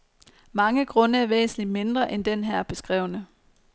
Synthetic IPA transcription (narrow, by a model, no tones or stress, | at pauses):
mɑ̈ŋəɡ̥ʁɔ̽nəæɐʋḛːsn̩lid̥me̝nd̥ʁɐʔend̥enɦæɐ̰b̥e̝sɡ̥ʁɛ̰ʊnə